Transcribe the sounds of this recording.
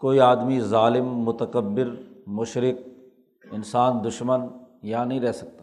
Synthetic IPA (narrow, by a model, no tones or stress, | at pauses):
koːiaːd̪mizaːlɪmːʊt̪əkəbːɪɾmʊʃɾɪk̚ | ɪnsaːnd̪ʊʃmən | janɐɦĩɾɛɦsɐk̚t̪aː